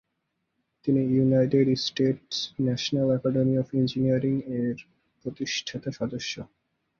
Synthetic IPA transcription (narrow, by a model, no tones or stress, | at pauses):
t̪inijunajʈeɖsʈeʈsnɛʃonalɛkɔɖemiɔfend͡ʑiniaɾiŋeɾ | pɾot̪iʃʈʰat̪eʃɔd̪oʃːo